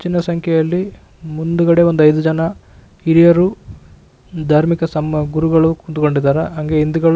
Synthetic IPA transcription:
t͡ʃːinːɐsɐŋkʰjɛjɐlːi | mund̪uɡɐɽe̞o̞nd̪uɐjd̪ud͡ʒɐnɐ | iɾijɐɾu | d̪ʱaːɾmikɐsɐmɐɡuɾuɡɐɭukud̪uko̞ɳɖid̪aːɾɐɦɐŋɡe̞ind̪uɡɐɭu

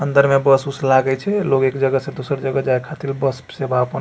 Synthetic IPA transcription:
ənd̪əɾmebəsuslaɡət͡ʃʰɛlokekd͡ʒəɡəsẽd̪osəɾd͡ʒəɡəd͡ʒaekʰat̪ilbəspsebapən

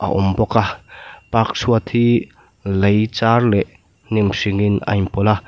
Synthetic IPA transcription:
ʔa̰ʔɔmbɔkapak̚suat̪ʰi | lejt͡sarlɛʔ | nimsiŋina̰jmpɔla

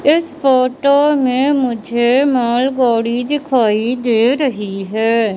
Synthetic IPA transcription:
ɪspʰoːʈoːmẽːmʊd͡ʒʱeːmaːlɡaːɽiːd̪ɪkʰaːiːd̪eːɾəɦiːɦɛː

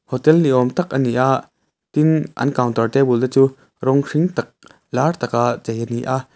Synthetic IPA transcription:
hɔt̪ɛlniʔɔmt̪ɐk̚ʔɐniʔaʔ | t̪inʔɐ̰nkawnt̪ɐrt̪ɛbuldɛt͡su | ɾɔŋʂiŋt̪ɐk̚ | lart̪ɐk̚aʔzɐjʔɐniʔaʔ

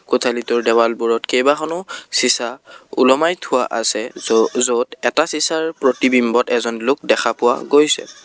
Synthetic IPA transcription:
kʊtʰalitʊɹdɛbalbuɹɔtkejbaxɔnʊsisaṵlɔmajtʰʊwa̰ʔa̰sɛzotɛtasisaɹpɹotibimbɔtɛzɔnlʊk̚dɛxʰapʊwa̰ɡojsɛ̰

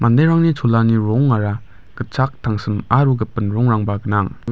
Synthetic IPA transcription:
mandajɾaŋnit͡ʃʰulaniɾɔŋːaɾa | kɯt͡ʃak̚tʰaŋsɯmaɾuɡɯpɯnɾɔŋɾaŋbaɡɯnaŋ

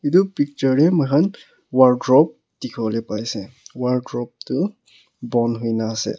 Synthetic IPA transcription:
itupik̚t͡ʃɔɹɹɛmʊkʰan | waɹɡɹɔp̚ | d̥ikʰbɔlepajsɛ̃waɹdɹɔp̚tu | bɔnɦujnaːsɛ̰

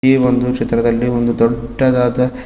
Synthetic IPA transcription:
eond̪ukʂet̪ɾɐd̪ɐlːiond̪ud̪ɔɖːɐd̪aːd̪ɐ

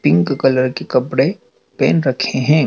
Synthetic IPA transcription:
pɪ̃ŋkkɐləɾkekɐpɽe | pɛːnɾɐkʰeɦɛ̃ː

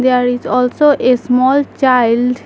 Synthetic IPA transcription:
d̪eaɾizɔlsoʔesmɔlt͡ʃaɪlɖ

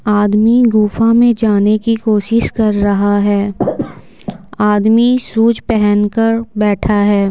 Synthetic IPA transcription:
aːd̪miɡuːfamẽd͡ʒaːnekikoːʃɪʃkɐɾːɐɦaɦɛː | aːd̪misuːd͡ʒpɛɦɛnkəɾbɛːʈʰaɦɛː

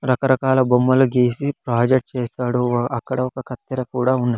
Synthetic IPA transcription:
ɾɐkɐɾɐkaːlɐbomːɐlɐɡeːsipɾaːd͡ʒeʈ̚t͡ʃeːsaːɽuɐkːɐɽɐɔkɐkɐt̪ːɐɾɐkuːɽaːunːɐ

